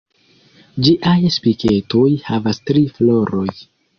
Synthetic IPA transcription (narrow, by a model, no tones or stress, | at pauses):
d͡ʒiʔajspike̞to̞jhavastɾiflo̞ɾo̞j